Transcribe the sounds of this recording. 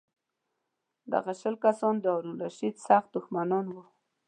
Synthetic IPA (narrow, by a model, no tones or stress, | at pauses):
d̪a̰ɣaʃəlkasɔnd̪əawɾunɾaʃid̪saxt̪̚d̪ʊxmanɔnwu